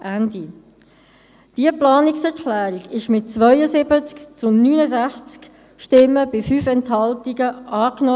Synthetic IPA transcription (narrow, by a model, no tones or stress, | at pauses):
ʔændi | d̥iəplɑːnɪksɛʁkʰlæːɾiɡɪʃmɪt̚t͡sʋœʏəzɪbət͡skt͡sʊnyːnəzæχt͡sk | ʃtɪmːəbɪfyːfɛnthɑltiɡəʔɑːknɔ